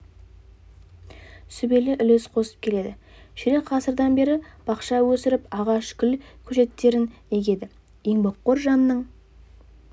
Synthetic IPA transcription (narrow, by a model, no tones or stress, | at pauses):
sʏbe̞lɪʔʏlesqʰo̞sə̥p̚kʲʰe̞le̞d̪ɪ | ʃɪɾeqʰɑsəɾd̪ɑnbe̞ɾɪb̥ɑqʃɑwɵsɪɾɪpɑʁɑʃkʲʰʏlkʲʰɵʒe̞t̪ːe̞ɾɪne̞ɡʲe̞d̪ɪ | eŋboqːoɾʒɑnəːəɴ